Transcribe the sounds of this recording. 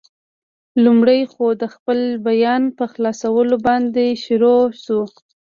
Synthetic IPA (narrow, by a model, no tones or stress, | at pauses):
lumɽəjxod̪əxpəlbajɑnpəxlɑsawəlobɑnd̪eʃɾoʃu